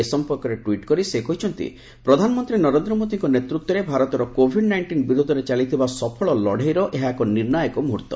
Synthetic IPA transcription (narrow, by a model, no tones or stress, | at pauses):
esɔmpɔɾkɔɾeʈwiʈkɔɾisekɔɦit͡ʃʰɔnt̪ḭ | pɾɔd̪ʱanɔmɔnt̪ɾinɔɾend̪ɾɔmot̪iŋkɔnet̪ɾut̪wɔɾebʱaɾɔt̪ɔɾɔkobʱiɖnajɳʈinbiɾod̪ʱɔɾet͡ʃalit̪ʰibasɔpʰɔɭɔlɔɽʱejɾɔʔeɦakɔniɾnajɔkɔmuɦuɾt̪ːɔ